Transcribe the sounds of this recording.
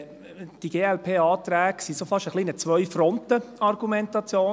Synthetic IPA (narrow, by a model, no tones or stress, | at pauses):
d̥iɡ̥eːɛlpʰeːɑːt̪ɾæːɡ̥sisofɑʃəχlinət͡sʋœʏfɾɔnt̪əɑrɡ̥umɛnt̪ɑt͡sjoː